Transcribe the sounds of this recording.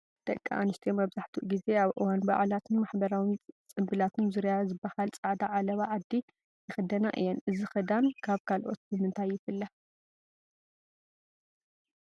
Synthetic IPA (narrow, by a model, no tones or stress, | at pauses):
t̪ʼɐkʼːa̰ʔanɨst̪ʰijomɐβzaħt̪ʰuʔɡize̞aβʔɨwanba̰ʕlat̪ʰɨnmaħbɐɾawint͡sʼɨmbɨlat̪ʰɨnzɨɾjazɨbːahalt͡sʼaʕd̪aʕalɐβaʕad̪ːi | jɪxɨd̪ɐnaʔɨ̰jːɛnʔɨzixɐd̪ankʰaβkʰalʔo̞t̪̚bɨmɨnt̪ʰajːɪfɨlːa